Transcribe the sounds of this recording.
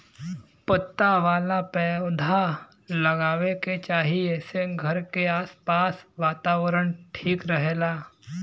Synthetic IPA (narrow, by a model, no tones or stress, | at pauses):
pət̪ːaʋaːlapɛːd̪ʱa | lɐɡaːʋeket͡ʃaːɦiɛseɡʱɐɾkeaːspaːsʋaːt̪aːʋəɾəɽ̃ʈʰiːkɾəɦeːlaː